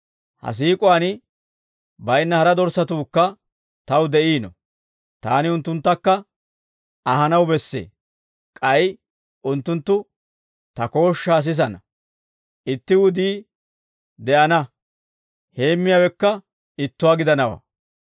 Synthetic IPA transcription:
hɐ̰s̬iːkʼʊanɪ | bɐjnːɐhɐɾɐd̪ɔɾsɐt̪uːkːɐ | t̪ɐwd̪ɛʔiːnɔ̰ | t̪a̰ːnɪʊnt̪ːʊnt̪ːɐkːɐ | ɐɦɐnɐwbɛsːḛː | kʼɐj | ʔʊnt̪ːʊnt̪ːʊ | t̪ɐko̞ːʃːaːs̬ɪs̬ɐnɐ | ʔɪt̪ːɪwʊd̪iː | d̪ɛʔɐnɐ | he̞ːmːɪjawɛkːɐ | ɪt̪ːʊwaːɡɪd̪ɐnɐwa̰ː

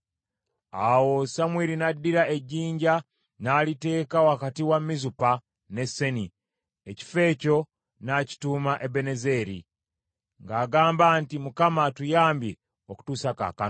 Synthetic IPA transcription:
awo̞samwiːɾinadːiɾaʔe̞ɟːiːɲɟa | naːlite̞ːkawakatiwamːizupa | ne̞sːe̞ni | eci̥fe̞ːco̞ | naci̥tuːmaʔe̞be̞ne̞ze̞ɾḭ | ŋɡaːɡaːmbaːntimukamatujaːmbje | oku̥tusaka̰ːka

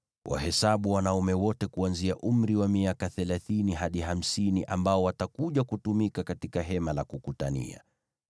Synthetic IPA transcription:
wʔa̰hɛsaɓuwanaumɛwɔtɛkuanziaʔum̩ɾiwamiakaθɛlaθiniɦaɗiɦam̩siniʔambaɔwatakuʄakutumikakatikaɦɛmalakukutanḭa̰

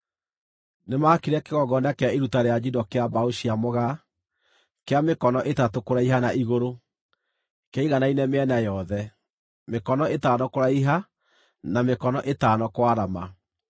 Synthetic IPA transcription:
nemakiɾɛkeɣɔɡɔndakeaiɾutaɾead͡ʒidɔkeabaoʃiamoɣa | keamekɔnɔʔetatokoɾaiɦanaʔiɣoɾo | kaiɣanainɛmeɛnajɔðɛ | mekɔnɔetaːnɔkoɾaiɦa | namekɔnɔʔetaːnɔkwaɾama

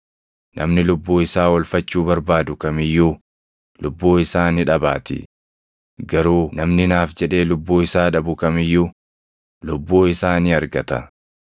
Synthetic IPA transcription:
nʔɐ̰mnɪlʊbːuːɪsaːwɐlfɐt͡ʃːuːbɐɾbaːd̪ʊkɐmɪjːuː | lʊbːuːɪsaːnɪᶑɐba̰ːt̪ɪ̰ | ɡɐɾuːnɐmnɪnaːfd͡ʒɛᶑe̞ːlʊbːuːɪsaːᶑɐbʊkɐmɪjːu | lʊbːuːɪsaːnɪɐɾɡɐt̪ɐ

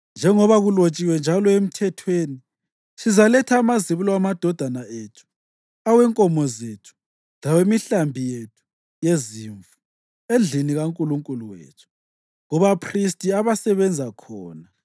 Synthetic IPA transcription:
nd͡ʒʱɛŋɔβaɣulot͡ʃʼiwɛnd͡ʒʱalɔem̩tʰɛtʰweːni | ʃizalɛtʰaːmaziβulɔamad̥ʱɔd̥ʱanaetʰu̥ | awɛŋkʼɔmɔzetʰu̥ | lawemiɬambʱijetʰu̥ | jeziːɱvu | end͡ɮʱiniɣaŋkʼuluŋkʼuluwḛːt͡ʃʰu̥ | ŋɔβapʰristʼiaβasɛβɛnd͡zʱakʰɔːna

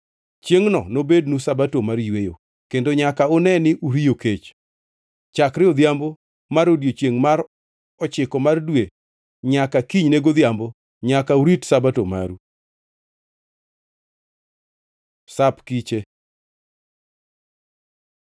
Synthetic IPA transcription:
t͡ʃjeŋnɔ̰nobednusabatomaɾjwejo̰ | kendoɲakaʊnɛnɪʔuɾijoket͡ʃ | t͡ʃakɾɪɔd̪jambo | maɾodjot͡ʃeŋmaɾ | ɔt͡ʃɪkɔmardwe | ɲakakiɲneɡod̪jambo | ɲakauɾitsabatoma̰ɾu | sapkit͡ʃe

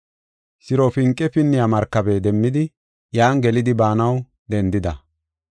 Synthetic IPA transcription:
sɪɾofɪŋkʼːɛpɪnːɪjamɐɾkːɐbɛd̪ɛmːɪd̪ɪ | jaːŋɡɛlɪd̪ɪbaːnɐw | d̪ɛnd̪ɪd̪ɐ

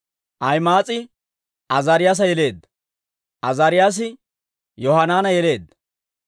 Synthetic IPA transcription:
ʔɐjmaːt͡sʼɪ | ʔɐzaːɾɪjaːs̬ɐjɛle̞ːd̪ːɐ̥ | ʔɐzaːɾɪjaːs̬ɪ | jɔhɐnaːnɐjɛle̞ːd̪ːɐ

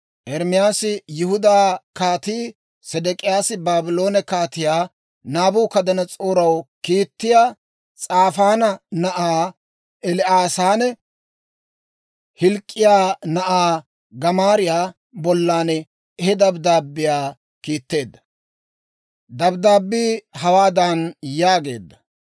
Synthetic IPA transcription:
ʔɛɾmɪjaːsɪjʊhʊd̪aːkaːt̪iː | sɛd̪ɛkʼɪjaːsɪbaːbɪlo̞ːnɛkaːt̪ɪjaː | naːbuːkɐd̪ɐnɐt͡sʼoːɾɐwkiːt̪ːɪjaː | t͡sʼaːfaːnɐnɐʔaː | ʔɛlɪʔaːsaːnɛ | hɪlkʼːɪjaːnɐʔaː | ɡɐmaːɾɪjaː | bɔlːaːnɛ | ɛhɛd̪ɐbd̪aːbːɪjaː | kiːt̪ːe̞ːd̪ːɐ̥ | d̪ɐbd̪aːbːiːhɐwaːd̪anjaːɡe̞̰ːd̪ːɐ

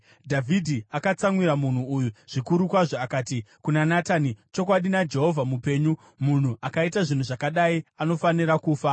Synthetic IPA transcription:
dʱavʱidʱiakat͡saŋwiɾamun̤uːjuʐ̥ikuɾukwaʐoakaːtikunanatanit͡ʃo̞kwaɗinad͡ʒe̞ɦo̞vʱamupe̞ːɲu | mun̤uʔakaitaʐin̤uʐakaɗaiano̞faniɾakuːfa

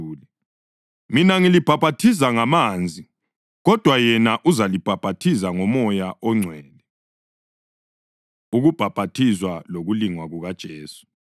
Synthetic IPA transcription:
lɛ | minaŋilib̥ʱab̥ʱatʰis̬aŋamaːnd͡zʱi | ɣɔd̥ʱwajɛnaʔuzalib̥ʱab̥ʱatʰizaŋɔmɔjaʔɔŋ͡ǀʱwɛːlɛ | uɣub̥ʱab̥ʱatʰizwaloɣuliŋwaɣuɣad̥ʒ̥ʱeːsu̥

